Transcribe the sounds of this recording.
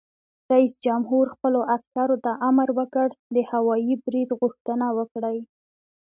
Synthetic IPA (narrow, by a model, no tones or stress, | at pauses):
ɾaisd͡ʒamɦuɾxpəloʔaskaɾot̪aʔamɾwəkəɽd̪əhawɑjibɾid̪ɣʊxt̪ənawəkɽaj